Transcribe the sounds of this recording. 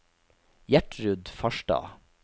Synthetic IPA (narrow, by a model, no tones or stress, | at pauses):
jæʈɹʉd̪fɑʃɖɑ̰ː